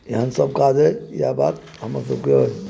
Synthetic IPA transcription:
eɦənsəb̚kad͡ʒəjjaba̰t̪ | ɦəməɾsəb̚kj

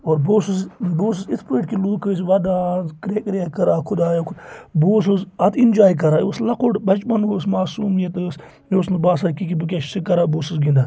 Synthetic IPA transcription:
oːɾboːsɨsboːs̬ɨzit̪ʰpeːʈkiluːkɨsʋɐd̪aːkɾekɾʲakɐɾaːkʰud̪aːjokʰuboːs̬ɨzɐt̪ʰind͡ʒaːjk̬ɐɾaːjoslɐqoʈbɐt͡ʃbɐnosmaːsuːmjɐt̪ɨs | joːsnɨbaːsakikibɨk̬ʲaʃsikɐɾaːboːsɨsɡind̪aː

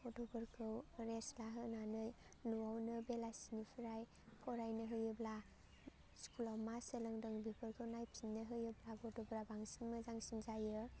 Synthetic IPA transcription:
ɔdɔbɯɾkʰɯwɾeslaɦɯnanɯj | nuwawnɯbelasinipʰiɾaj | pʰɔɾajnɯɦɯjɯbla | skʰulɔmasəlɯŋdɯŋbipʰɯɾkʰɯwnajpʰinnːɯɦɯjɯblaɡɔdɔbɾabaŋsinməzaŋsinzajɯ

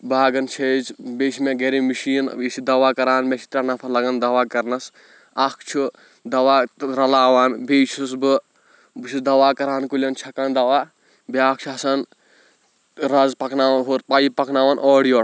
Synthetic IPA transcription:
baːɡɐnt͡ʃʰed͡ʒbeːʃmẽɡeɾimiʃiːnisid̪ɐʋaːkɐɾaːnmʲet͡ʃʰi̥t̪ɾʲanɐpʰɐlɐɡɐnd̪ɐʋaːkɐɾnɐs | ɐkʰt͡ʃʰu | d̪ɐwaːɾɐlaːʋaːnbeːt͡ʃʰusbɨ | bɨt͡ʃʰisd̪ɐʋaːkɐɾaːnkulʲɐnt͡ʃʰɐkaːnd̪ɐʋaː | baːk̚t͡ʃʰɐsɐn | ɾɐzpɐkʰnaːɦuɾpɐjipɐkʰnaːʋaːnʔoːɽijoː

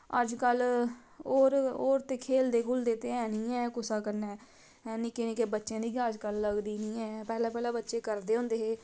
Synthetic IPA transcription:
əd͡ʒkəl | oːɾoːɾt̪eːkʰeːld̪eːkʰʊld̪eːt̪eːɛːnĩːɛ̃ːkʊsaːkəɾnɛː | nɪkeːnikeːbətːʃẽːd̪iːɡaəd͡ʒkəlːəɡd̪iːnĩːɛːpɛːlãːpɛːlaːbətːʃeːkəɾd̪eːɦʊ̃ːnd̪eːɦeː

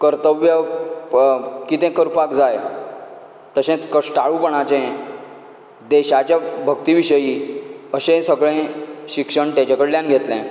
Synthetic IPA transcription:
kəɾt̪əʋjə | kit̪ɛ̃kəɾpakd͡zaj | t̪əɕɛ̃t͡skəʂʈaɭupəɳat͡ɕɛ̃ | d̪eɕat͡ɕjabʱəkt̪iʋiɕəjiəɕẽsəɡɭẽɕikʂəɳʈ̪ãt͡ɕakəɽljãnɡʱet̪lɛ̃

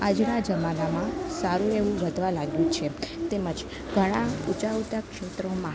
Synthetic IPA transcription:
ad͡ʒɽad͡ʒəmanamãsaɾũeʋũʋəd̪ʱʋalaɡjũt͡ʃʰet̪eməd͡ʒ | ɡ̥ʱəɽ̃aut͡ʃaʋt̪akʃet̪ɾomã

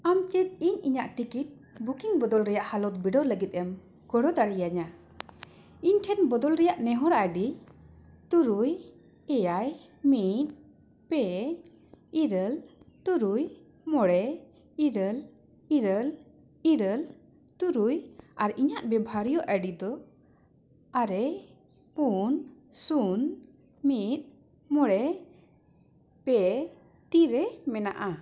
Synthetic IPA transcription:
amt͡ʃit̪̚iɲiɲaʔʈikiʈ̚ | bukiŋbɔd̪ɔlɾɛjaʔhalɔt̪̚biɖɔləɡit̪̚ˀɛm | ɡ̥ɔɽɔd̪aɽijaɲa | iɲʈʰɛnbɔd̪ɔlɾɛjaʔnɛɦɔɾaɖi | t̪uɾuj | ɛjaj | mit̪̚ | pɛ | iɾəltuɾuj | mɔɽɛ | iɾəl | iɾəl | iɾəl | t̪uɾujaɾiɲaʔbɛbʱaɾijɔʔəɖid̪ɔ | aɾɛ | punsun | mit̪̚ | mɔɽɛ | pɛ | t̪iɾɛmɛna̰ʔa

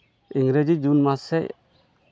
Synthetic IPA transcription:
iŋɡɾed͡ʒid͡ʒunmasɛ

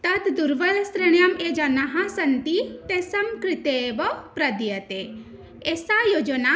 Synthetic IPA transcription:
t̪ɐt̪d̪uɾʋəlsɾəɳjamed͡ʒɐnaɦãsɐnt̪it̪esɐmkɾit̪eːbɔpɾɐd̪ijɐt̪e | esajod͡ʒɔna

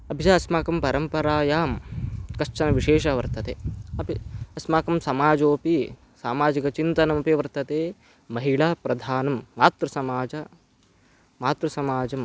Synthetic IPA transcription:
ɐbʱid͡ʒaːɐsmaːkɐmpɐɾɐmpɐɾaːjaːmkɐʂt͡ʃɐnɐʋiʂeːʂɐʋɐɾt̪ɐt̪eːɐpiɐsmaːkɐmsɐmaːd͡ʒoːpi | saːmaːd͡ʒikɐt͡ʃint̪ɐnɐmɐpeʋɐɾt̪ɐt̪eː | mɐɦiɭaːpɾɐd̪ʱaːnɐmːaːt̪ɾɐsɐmaːd͡ʒɐ | maːt̪ɾɐsɐmaːd͡ʒɐm

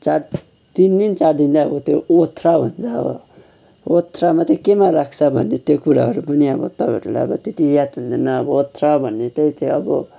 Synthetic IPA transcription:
t͡saɾ | t̪ind̪int͡saɾd̪ind̪aʌbʌt̪joot̪ʰːraɦunt͡sʰaʌ̰ | ot̪ʰramat̪ekemaɾakʰt͡sʰʌbʱʌ̰nːet̪jokuɾa̰ɦʌɾupʌniʌbʌ̰t̪ʌbʱeɾula̰jʌbʌt̪et̪ijat̪ɦund̪inːʌːbʌot̪ʰraobʱʌnːet̪eit̪eʌbʌ

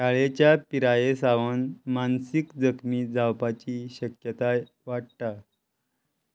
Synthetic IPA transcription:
kaɭet͡ɕjapiɾajesaʋənmansikd͡zəkmiːd͡zawpat͡ɕiːɕəkjət̪a | ʋaɽ̚t̪a

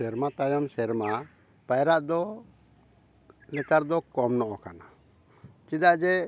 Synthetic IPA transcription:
ɛɾmat̪ajamsɛɾma | pajɾaʔd̪ɔ | lɛkaɾd̪ɔkɔmnɔʔɔkana | t͡ʃid̪aʔd͡ʒɛ

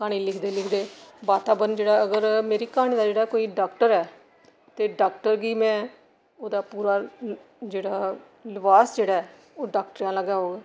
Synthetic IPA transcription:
kaːɽ̃iːlɪkʰd̪eːlɪkʰd̪eːbaːt̪aːbənd͡ʒeːɽaːəɡəɾmeːɾiːkaːɽ̃iːd̪aːd͡ʒeːɽaːkoːiːɖaːkʈəɾɛː | t̪eːɖaːkʈəɾɡiːmɛ̃ː | oːd̪aːpuːɾaː | d͡ʒeːɽaː | lɪʋaːsd͡ʒeːɽaːɛː | oːɖaːk̚ʈɾjãːləɡaːɦoːɡɛː

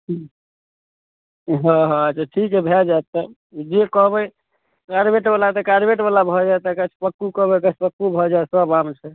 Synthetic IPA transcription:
ɦɔ̃ɦɔ̃ət͡ʃʰaʈʰikɦɛbʱɛd͡ʒat̪ːə | d͡ʒekɔɦbəj | kaɾbeʈbalat̪əkaɾbeʈbalabʱɔd͡ʒaet̪əkət͡ʃʰpəkːukɔɦbəkət͡ʃʰpəkːubʱɔd͡ʒaesəbamt͡ʃʰɛ

